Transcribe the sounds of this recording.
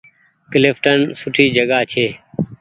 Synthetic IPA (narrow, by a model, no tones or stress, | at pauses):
klɪfʈənsʊʈʰiːd͡ʒəɠaːt͡ʃʰeː